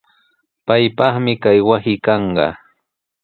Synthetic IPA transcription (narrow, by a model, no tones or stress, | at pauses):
pajpɑχmɪkajwasɪkɑɴɢɑ̰